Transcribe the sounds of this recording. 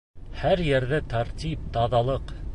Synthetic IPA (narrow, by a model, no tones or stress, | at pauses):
hæɾjɘ̆ɾðɘt̪aɾt̪ʲip̚t̪ɑðɑlˠɤq